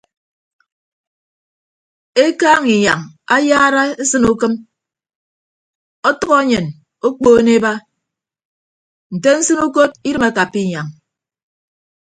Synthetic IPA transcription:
e˦kaː˦ŋi˨ɲa̰˨ŋa˦jaː˦ɾa˦e˦sɨ˦nu˦kɨ˦m | ɔ˦tʌ˦ɣɔ˦ɲɨ˨n | o˦k͡poː˦ne˦ba˦ | n̩˨te˦n̩˦sɨ˦nu˦k̬o˦t̚i˦ɾɨ˦ma˦ka˨pːi˦˨ɲa˨ŋ

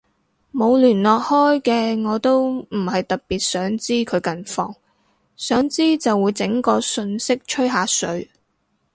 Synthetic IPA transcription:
mo˨˧wlyː˨˩nlɔː˨k̚hɔː˥jkɛː˧ŋɔː˨˧t̪o˥wm̩˨˩hɐ˨jt̪ɐ˨k̚piː˨˩t̚sœː˨˥ŋt͡siː˥kʰɵ˨˧ɥkɐ˨nfɔː˧ŋ | sœː˨˥ŋt͡siː˥t͡sɐ˨wːuː˨˧jt͡sɪ˨˥ŋkɔː˧sɵ˧nsɪ˥k̚t͡ʃʰɵ˥ɥɦaː˨˧sɵ˨˥ɥ

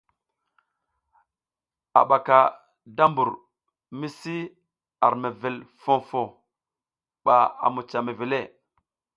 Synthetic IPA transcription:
a̰˨ɓa˨ka˨ | da˦mbu˨ɾ | mi˦si˦ | a˨ɾme˨ve˨lfo˦fo˨ | ɓa˨a̰˨mu˨t͡ʃa˨me˨ve˨le˦˨

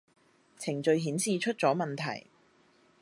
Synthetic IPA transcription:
t͡sʰɪ˨˩ŋt͡sɵ˧ɥɦiː˨˥nsiː˨t͡ʃʰɵ˥t̚t͡sɔː˨˥mɐ˨nt̪ʰɐ̰˨˩j

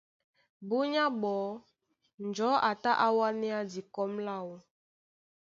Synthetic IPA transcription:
bu˦ɲa˦bɔ˨˦ | n˨d͡ʒɔ˨˦ʔa˨ta˦ʔa˦wa˦nɛ˦a˦di˨kɔ˦mla˦˨wu˦

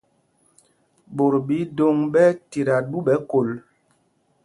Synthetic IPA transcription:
bo˨ɾbi˨˦do˦ŋɓɛ˦ti˨ɾa˨ɗu˦ɓɛ˨˦ko˨l

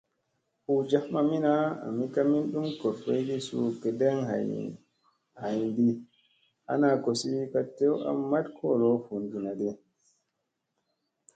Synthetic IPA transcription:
fu˨d͡ʒa˨˦hma˨mi˦na˦a̰˨mi˦ka˦mi˦nɗu˦mkɔ˨ɾfe˦jdi˦sṵ˨kɛ˨dɛ˦ŋha̰˨ | ha˨jndi˦ | ʔa̰˦na˨ko˨si˦ka˨tːe˦wa̰˨˦mːa˦tkʰɔ˦lɔ˦fu˨ndi˨na˨dɛ˨

